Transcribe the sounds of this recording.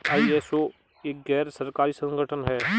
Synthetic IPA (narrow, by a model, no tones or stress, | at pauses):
aːiɛso | eːk̚ɡɛːɾsɐɾkaːɾisɐ̃ŋɡəʈʰənɦɛː